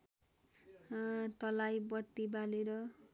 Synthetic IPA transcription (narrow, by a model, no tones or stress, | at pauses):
t̪ʌlajbʌt̪ːibaleɾʌ